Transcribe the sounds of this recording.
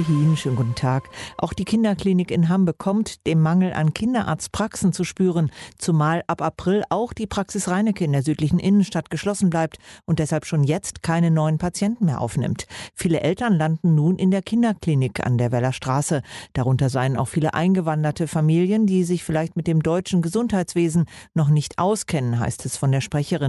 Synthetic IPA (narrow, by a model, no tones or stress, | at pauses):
hiːnʃøːnɡutn̩tʰaːkʔa̰ʊxd̥iːkʰɪndɐkl̥iːnɪkɪnɦambəkʰɔmtd̥eːmːaŋl̩ʔa̰nkʰɪndɐʔa̰ɐt͡stpʁ̥aksn̩t͡suʃpyːʁ̞ənt͡sumaːlʔapapʁ̥ɪlʔaʊxd̥iːpʁ̥aksɪsʁaɪnɪkəɪndeːɐzyːtlɪçn̩ʔɪnənʃtatɡ̥əʃlɔsn̩blaɪp̚tʔʊnt̚d̥ɛshalpʃoːnjɛt͡stkʰaɪnənɔʏənpʰat͡sjɛntn̩meːɐʔa̰ʊfnɪ̰mtfiːləʔɛltɐnlandn̩nuːnʔɪndeːɐkʰɪndɐkliːnɪkʰa̰ndeːɐvɛlɐʃtʁ̥aːsəd̥aʁʊntɐzaɪəna̰ʊxfiːləʔa̰ɪnɡəvandɐtəfamiːljəndiːzɪçfɪlaɪçtmɪt̚d̥eːmdɔʏt͡ʃn̩ɡəzʊnthaɪt͡sv̥eːzn̩nɔχnɪçtʔaʊskʰɛnənɦa̰ɪstʰɛsfɔndeːɐʃpʁ̥ɛçəʁ̞ɪn